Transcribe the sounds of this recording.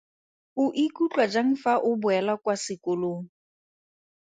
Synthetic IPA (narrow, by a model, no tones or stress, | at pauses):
ʊʔikʼut͡ɬʼwad͡ʒaŋ̩faʔʊbʊɛlakwasɪkoloːŋ̩